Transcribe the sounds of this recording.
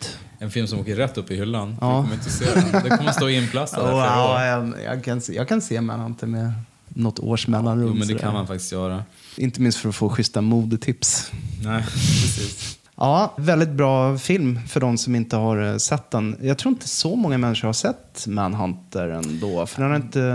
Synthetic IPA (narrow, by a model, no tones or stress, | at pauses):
t̪ | ɛnfɪlmsɔmoːkəɾːɛt̪ːɵpːɪhʏlːanɑːɔmɾɪnt̪əseːd̪ɛkʰɔmːəsoːɪnpʰlasad̪ajɑjɑ̰kʰansjɑ̰ːɡkʰanseːmæ̰nhant̪ʰəɾmɛ | nɔt̪ʰːo̰ːʂmɛlːanɾəmɛnd̪ɛkʰanmanfak̚t̪ɪ̥st̪jœːɾa | ʔɪnt̪əmɪnst̪fœɾɔfoːɧʏst̪amuːd̪ət̪ʰɪpsnɛpɾɛsiːs | ʔɑːvɛld̪ɪt̪̚bɾɑːfɪlmfœɖɔmsɔmɪnt̪əɦaɾsɛt̪ːd̪ɛnjɑːɡt̪ʰɾuːɾɪnt̪əsɔmɔŋːamɛnːɪʂəɾhaʂɛt̪ːmænɦant̪əɾɛ̰nd̪oːfœɖɛnhaɾɪnt̪ə